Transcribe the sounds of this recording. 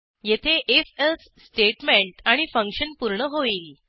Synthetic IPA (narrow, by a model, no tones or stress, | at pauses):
jet̪ʰeʔeselsːʈeʈmeɳʈaɽ̃ifəŋkɕənpuɾɳəɦoiːl